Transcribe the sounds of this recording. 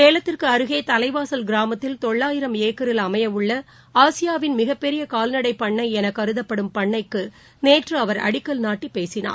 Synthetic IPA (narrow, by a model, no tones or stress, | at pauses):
keːlɐt̪ːɪrkɯɐɾɯɣeːt̪ɐlɐɪʋaːsɐlɡɪɾaːmɐt̪ːɪlt̪ɔɭːaːjɪɾɐmeːkːɐɾɪlɐmɐjɐmɯɭːɐ | aːsɪjaːʋɪnmɪɣɐpːɛɾɪjɐkaːlnɐɽɐɪpːɐɳːɐɪɛnɐkːɐɾɯðɐpːɐɽɯmpɐɳːɐɪkːɯ | neːʈrɯɐʋɐɾɐ̰ɽɪkːɐlnaːʈːipeːsɪna̰ːɾ